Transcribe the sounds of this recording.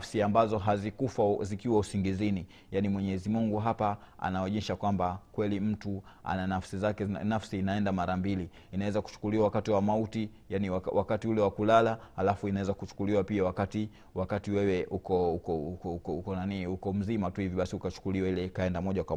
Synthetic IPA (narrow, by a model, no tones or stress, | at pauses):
fsiambazɔɦazikufazikiwausiŋɡizini | janimwɛɲɛzimuŋɡuɦapa | a̰naɛɲɛʃakwambakwɛlim̩tu | a̰nanafsizakɛnafsiːnaɛndamaɾambili | inawɛzaku̥t͡ʃu̥kuliwawakatiwamauti | janiwawakatiulɛwakulalahalafuinawɛzakut͡ʃu̥kuliwapiawakati | wakatiwɛwɛʔukɔukɔukukɔukɔnaniukɔm̩zimatuhiviɓasiukat͡ʃu̥kuliwailɛikaɛndamɔʄakwa